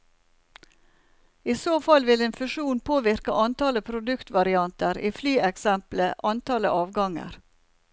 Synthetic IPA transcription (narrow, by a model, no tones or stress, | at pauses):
iːsoːfɑlʋɪleːnfʉʃuːnpʰoːʋɪɾkəʔɑnt̪ɑləpʰɾʊd̪ʉkt̪ʋɑɾɪɑnt̪əɾiːflyːɛksɛmpləʔɑnt̪ɑlə̰ʔɑːʋɡɑŋə̰ɾ